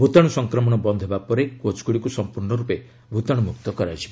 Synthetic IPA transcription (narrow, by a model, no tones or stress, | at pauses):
bʱut̪aɽ̃usɔŋkɾɔmɔɽ̃ɔbɔnd̪ʱebapɔɾekot͡ʃkuɽikusɔmpuɾɳɔɾupe | bʱut̪aɽ̃umukt̪ɔkɔɾajt͡ʃʰi̥b